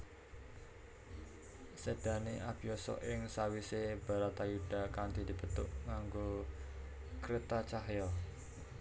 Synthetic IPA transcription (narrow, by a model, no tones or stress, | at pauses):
sed̪̥a̤neʔab̥ijɔsɔ̰ʔɪŋsawiseb̥a̤ɾat̪ajuɖ̥a̤kand̪id̪̥i̤b̥ə̤t̪ʊʔŋaŋɡo | kɾet̪at͡ʃaɦjɔ